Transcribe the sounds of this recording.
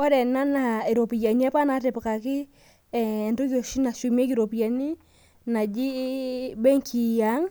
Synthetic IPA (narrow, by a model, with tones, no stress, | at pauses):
ɔ˦ɾɛ˨na˦na˨e˨ɾo˨pi˨ja˨ɲi˦a˦pa˦na˨˦te˨pka˨kɪ˦˨ | ndo˦ko˨ʃi˦na˨ʃu˨m˦e˦kɪ˨ɾo˨pja˨ni˦ | na˨d͡ʒi˦bɛ˦ŋkʰi˨ja˨˦ŋ